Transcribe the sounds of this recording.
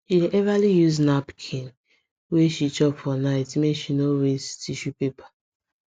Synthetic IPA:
ʃiʔɛvalijuznapkʰĩn | weʃit͡ʃɔpfɔnaɪtmeʃinoɹestʰiʃupepʰḁ

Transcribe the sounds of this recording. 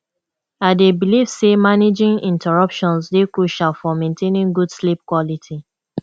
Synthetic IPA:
aɪdebiliv̥semaned͡ʒĩŋĩntʰɛɹɔpʃɔ̃nsdekuʃafɔmẽntʰenĩŋɡud̥slip̚kwɔlitʰi

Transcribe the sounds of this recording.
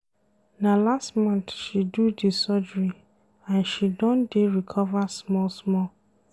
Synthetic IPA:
nalastmɔ̃nθʃidudisɔd͡ʒɹi | ãnʃidɔ̃ndeɹikʰɔvasmɔlsmɔl

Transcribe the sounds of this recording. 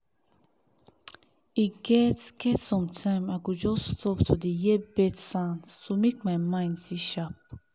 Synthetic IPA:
iɡɛtskʰɛtsɔ̃mtʰãj̃maɡud͡ʒɔstʰɔptʰud̪ijɛbɛtsãnstumek̚majmãj̃ndsiʃap̚

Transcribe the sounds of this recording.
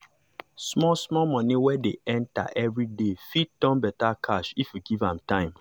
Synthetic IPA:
smɔsmɔmɔ̃niwɛdeɛ̃nta̰ʔɛvɹidefitɔ̃mbɛtakʰaʃifjuɡivã̰mtãɪ̃m

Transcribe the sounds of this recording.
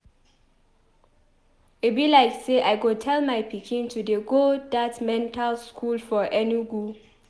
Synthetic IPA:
ebilaɪkseʔajɡotʰɛlmajpikʰĩntʰudeɡodatmɛ̃ntʰalskʰulfɔʔɛniɡu

